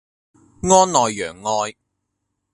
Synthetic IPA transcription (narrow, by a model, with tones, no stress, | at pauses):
ŋɔː˥nlɔː˨jːœː˨˩ŋːɔː˧j